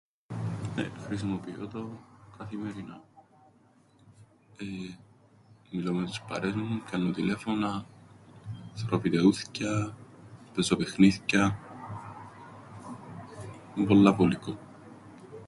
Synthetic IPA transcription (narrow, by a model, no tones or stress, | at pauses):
nḛxɾis̬imopio̰t̪okɐθimeɾina | e | milomet̪u̥spɐ̰ɾezmucɐnːot̪ile̞fonɐ | θɾofit̪euθcɐ | pezopexniθcɐ | mepolːɐpoliko